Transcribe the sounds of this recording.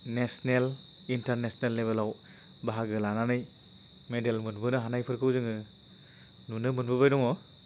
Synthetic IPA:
nesnel | intaɾnesnelːebelaw | baɦaɡɯlananɯj | medelmɯnbɯnɯɦanajpʰɯɾkʰɯwzɯŋɯ | nunɯmɯnbɯbajdɔŋɔ

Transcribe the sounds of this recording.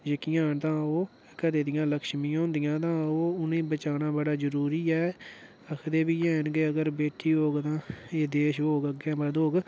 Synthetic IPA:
d͡ʒekɪjãːnt̪ãːoː | kəɾeːd̪ɪjãːləkʃmĩːɦõːnd̪ɪjãːt̪ãːoːʊnẽːbət͡ʃaːnãːbəɽaːzəɾuːɾiːɛː | əkʰd̪eːbiːɛːnɡeːəɡəɾbeːʈʰːiːɦoːɡt̪ãːeːd̪eːʃɦoːɡəɡɛ̃ːbəd̪ɦoːɡ

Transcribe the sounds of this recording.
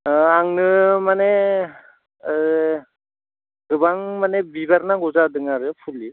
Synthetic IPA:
aŋnɯmane | ɡɯbaŋmanebibaɾnaɡɔzadɯŋaɾɯpʰuli

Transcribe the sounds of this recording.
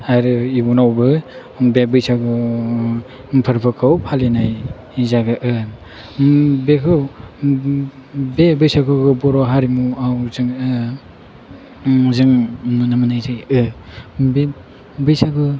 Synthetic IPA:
haɾɯibunawbɯ | bebɯjsaɡɯ | pʰɯɾpʰɯkʰawpʰalenaj | izaɡɯʔɯ | bekʰɯw | bebɯjsakʰɯɡɯbɔɾɔɦaɾimuawzɯŋɯ | zɯŋnunamɯnajzɯjɯ | be | bɯjsaɡɯ

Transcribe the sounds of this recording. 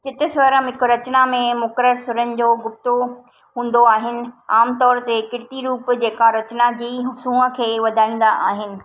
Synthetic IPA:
kɪt̪ɪsʋɐɾə̃mɦɪkoɾɐt͡ɕnamẽmʊkɾəɾsʊɾənɪ̆d͡ʑoːɡʊp̚t̪o | ɦũːn̆d̪oaːɦɪnɪ̆aːmt̪ɔːɾt̪ekɪɾʈ̪iɾuːpd͡ʑeːkaɾɐt͡ɕnad͡ʑiːɦsũːə̆kʰeːʋɐd̪ʱaːĩːnd̪aʔaːɦɪnɪ̆

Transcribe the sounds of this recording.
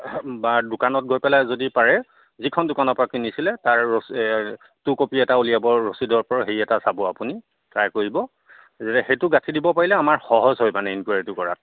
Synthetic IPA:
badʊkanɔt̚ɡojpɛlajzodipaɹɛ | zikʰɔndʊkanɔpɔɹakinisilɛtaɹːos | tukopiɛtaulijabɔɹosidɔɹpɔɹɔɦeiɛtasabʊapuni | kɹajkoɹibɔ | zetɛxejtʊɡatʰidibɔpaɹilɛamaɹxɔɦɔzɦojmanɛinkuwaɹitʊkɔɹat̚

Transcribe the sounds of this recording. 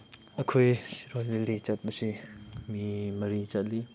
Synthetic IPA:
ɐkʰojɾolːilit͡ʃɐt̚bɐsimimɐɾit͡ʃɐt̚li

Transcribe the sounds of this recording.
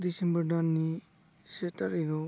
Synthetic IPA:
disembɐɾdanːi | setɐɾiɾɔ

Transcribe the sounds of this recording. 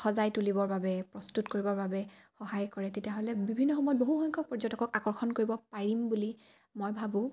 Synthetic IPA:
xɔzajtulibɔɹbabɛpɹɔstutkoɹibɔɹbabɛxɔɦajkɔɹɛtetiaɦɔlɛbibʱinːɔxɔmɔjɔt̚boɦuxɔjŋkʰɔk̚pɔɹzɔtɔkɔkakɔɹxɔnkoɹibɔpaɹimbuli | mojbʱabũ

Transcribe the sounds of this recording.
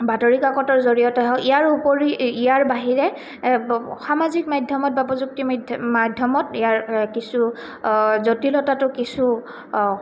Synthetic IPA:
bʱatoɹikakɔtɔɹzoɹijɔtɛɦɔijaɹupoɹiijaɹbaɦiɹɛ | xamazikmadʱjɔmɔt̚bapɔzuk̚timmadʱjɔmɔtijaɹkisu | zotilɔtatʊkisu

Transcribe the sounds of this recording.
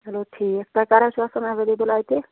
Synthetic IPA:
ɦeloʈʰikek̚t̪akaɾasasənabed̪ebolajt̪e

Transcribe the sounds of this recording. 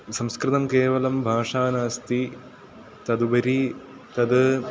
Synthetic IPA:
sɐmskɾɨt̪ɐmkeːʋɐlɐmbʱaːʂaːnaːst̪i | t̪ɐd̪ubɐɾi | t̪ɐd̪ɨ

